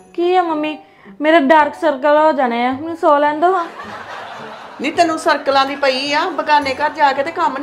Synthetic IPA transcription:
kiːɛːməmːiː | meːɾaːɖaːɾksəɾkəloːd͡ʒaːneːãːsoːlɛ̃ːnd̪oːɦãː | niːt̪əːnũːsəɾkəlãːd̪iːpəiːãːbəkaːneːkəɾd͡ʒaːkeːt̪eːkəmn

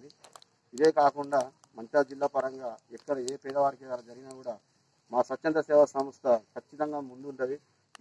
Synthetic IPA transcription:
d̪i | id̪e̞ːkaːkuɳɖaː | mɐɲt͡ʃaːd͡ʒilːaːpɐɾɐŋɡaːɛkːɐɽɐeːpɛːd̪ɐʋaːɾikeːɐnɐd͡ʒɐɾiɡinaːkuːɽaː | maːsʋɐt͡ʃːt͡ʃːɐnt̪ɐsɛːʋɐsɐmɐst̪ʰɐkʰɐt͡ʃːit̪ɐŋɡaːmund̪uuɳʈɐd̪i

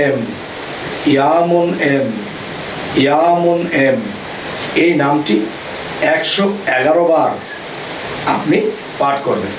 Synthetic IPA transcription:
em | ijamonem | ijamonem | ejnamʈi | ɛkʃɔɛɡaɾobaɾ | apni | paʈkɔɾbḛn

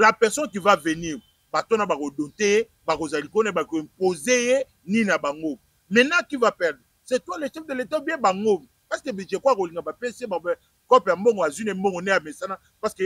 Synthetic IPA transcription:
lapɛʁsɔnkivaveniʁ | batonabakodonteje | bakozalikonebakoɛmpozeje | ninabaŋɡo | mɛnakivapɛʁd̪ʁsetwaleʃɛfdeletabiebaŋɡompaskebeʒekkoliŋɡabapeseba | kɔpjambɔŋɡɔazwinembɔŋɡɔneamesana | paske

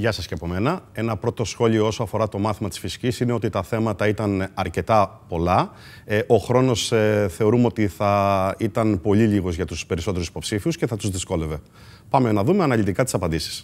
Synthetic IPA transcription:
ʝɐsɐsceɐpo̞me̞nɐe̞nɐpɾo̞t̪o̞sxo̞ʎio̞o̞soɐfo̞ɾɐt̪o̞mɐθimɐt̪i̥sfisi̥cisine̞o̞t̪it̪ɐθe̞mɐt̪ɐit̪ɐnɐɾce̞t̪ɐpo̞lɐ | ʔo̞xɾo̞no̞sθe̞o̞ɾumeo̞t̪iθɐit̪ɐnpo̞liʎiɣozʝɐt̪uspe̞ɾiso̞t̪e̞ɾusi̥po̞psifiusce̞θɐt̪uzðisko̞le̞ve̞ | pɐmenɐðume̞ɐnɐʎit̪ikɐt̪i̥sɐpɐnd̪isi̥s

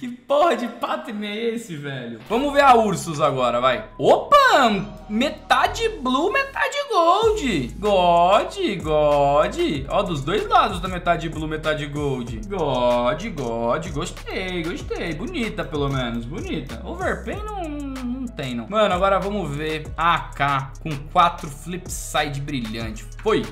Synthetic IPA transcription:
kɪpohɐd͡ʒɪpat̪ɾinejesɪvɛʎʊvɐ̃mʊveɾauɾsʊzaɡɔɾɐvajopɐ | met̪ad͡ʒɪblumet̪ad͡ʒɪɡowd͡ʒɪɡɔd͡ʒɪɡɔd͡ʒɪɔd̪ʊzd̪ojzɡad̪ʊzd̪ɐmet̪ad͡ʒɪblumet̪ad͡ʒɪɡowd͡ʒɪɡɔd͡ʒɪɡɔd͡ʒɪɡoʃt̪ejɡoʃt̪ejbʊnit̪ɐpelomẽnʊsbonit̪ɐ̰ʊveɾpẽjnɐ̃w̃ñnɐ̃w̃t̪ẽj̃nɐ̃w̃mɐ̃nʊaɡɔɾɐvɐ̃mʊveɾakakõkwat̪ɾʊflipsajd͡ʒɪbɾiʎɐ̰̃t͡ʃɪ̥foj

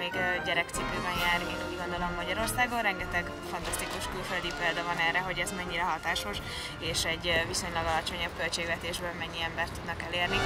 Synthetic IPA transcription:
eːɡɟɛɾɛk̚t̪sipøːbɛɲjaːɾenuɟɡo̞nd̪olomːɒɟɒɾo̞rsaːɡonrɛŋɡɛt̪ɛɡ | fɒnt̪ɒst̪ikuʃkylføld̪ipeːld̪ɒvɒnɛrːɛɦo̞ɟɛzmɛɲːiɾɛɦɒt̪aːʃo̞ʃ | eːʃɛɟːviso̞ɲlɒɡɒlɒt͡ʃo̞ɲɒb̚kølt͡ʃeːɡvɛt̪eːʒbøːlmɛɲːiɛmbɛrt̪ːud̪nɒkɛleːrni

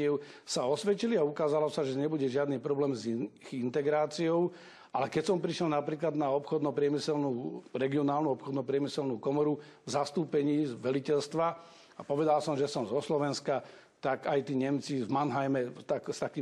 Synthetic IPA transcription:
ɛʊsaɔsʋɛciliaukaːzalɔsaʒɛɲɛbuɟɛʒɪad̪niːpɾɔblɛːmzint̪ɛɡɾaːt͡siɔʊ | ʔalɛkɛcsɔmpɾiʃjɛlnapɾiːklad̪naɔpxɔd̪nɔpɾɪɛmisɛlnuːɾɛɡiɔnaːlnuɔpxɔd̪nɔpɾɪɛmisɛlnuːkɔmɔɾuvzast̪uːpɛɲiːzʋɛlicɛlst̪ʋa | apɔʋɛd̪alsɔmʒɛsɔmzɔslɔʋɛnska | t̪akajt̪iːɲɛmt͡sivmanɦajmɛt̪akst̪akiː

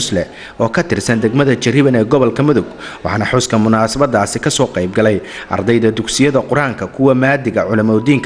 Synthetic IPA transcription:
slɛ | ɔːkʰɐt̪ʰɪrsɐnd̪ɛɡmɐðɐt͡ʃɪrɪβɐnɛːɡɔβɔlkʰɐmʊðʊɡwɑħɑːnɐħʊskʰɐmʊnaːsɐβɐd̪ːaːsɪkʰɐsɔːqɑjbɡɐlɛjʔɐ̰rd̪ɛjðɐd̪ʊɡsɪjɐðɐqʊɾaːŋkʰɐkʰʊwɐmaːd̪ɪɣɐʕʊlɐmɔːd̪iːŋkʰ

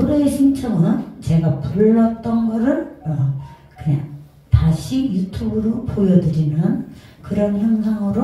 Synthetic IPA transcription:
ɾʌeɕʰint͡ɕʰʌŋɯnt͡ɕe̞ɡapuɭːʌt͈ʌnɡʌɾɯɭʌ | kɯɲaŋ | taɕʰijutʰubɯɾopojʌdɯɾinjʌnkɯɾʌnçjʌŋsʰaŋɯɾo

